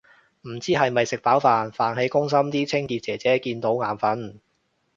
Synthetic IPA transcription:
m̩˨˩t͡siː˥ɦɐ˨jmɐ˨jsɪ˨k̚paː˨˥wfaː˨nfaː˨nhe˨˥jkʊ˥ŋs̬ɐ˥mt̪iː˥t͡sʰɪ˥ŋkiː˧t̚t͡sɛː˨˩t͡sɛː˨˥kiː˧nt̪o˨˥wŋaː˨˩nfɐ˨˥n

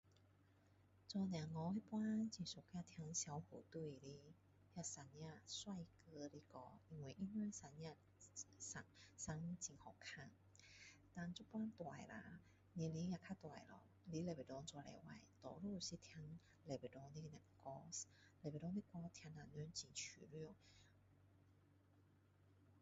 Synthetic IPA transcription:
t͡sɔ˧n˧a˨˩ŋɔ˧hi˦˥pwa˦˥nt͡ɕi˧˩so˨˩kja˧t̪ʰja˧ŋɕja˧˦whu˨˩t̪u˧˩˨li˧˦ | ja˧˨sa˧nja˧˨swa˥˧˨jkɤ˧˦li˧˦kɔ˧˩i˧˩ŋwi˨˩ʔi˧˥nɛ˧˥˦nsa˧nja˧ | sa˧sa˧˥ŋt͡ɕi˧˩ŋhɔ˨˩kʰa˧˩ŋ | t̪a˧˨nt͡ɕu˥pwa˦˥nt̪wa˨˩jla̰˨˦ | nĩ˧˨li˧˦ja˧˩kʰa˧t̪wa˨˩jlɔ̰˨˩ | li˧˦lɛ˨˩be˨˩dɔ˧ŋt͡swa˧˩lɛ̰˧˩wa̰˧˩jt̪ɔ̰˨˩lu˥˨ɕi˧˦t̪ʰja˧˦ŋ | lɛ˨˩be˨˩ɔ˧ŋd̪i˦˧na˨˩ŋ˧kɔ˧s | lɛ˨˩ɛ˨˩dɔ˧˦nd̪i˦˧˥kɔ˧˦t̪ʰja˧ŋna˨˩nɛ˧˦nt͡ɕi˧˩t͡ɕʰy̰˨˩lu˥˩˨

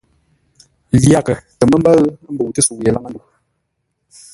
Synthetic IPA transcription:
lja˦˨kə˨tə˨mə˦m̩˦bə˦ɣm̩˦bə˨tə˦su˨je˨la˦ŋa˦n˦du˨

